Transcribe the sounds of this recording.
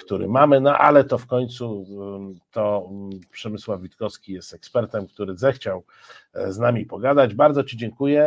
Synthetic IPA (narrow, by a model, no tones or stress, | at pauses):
kt̪uɾɘ̰mamɘnɔʔa̰lɛt̪ɔfkɔɲt̪su | t̪ɔpʂɛmɘswavʲit̪kɔskʲijɛst̪ɛkspɛɾt̪ɛmkt̪uɾɘzɛxt͡ɕaw | znamʲipɔɡad̪ad͡ʑbaɾd̪zɔt͡ɕid͡ʑɛŋkujɛ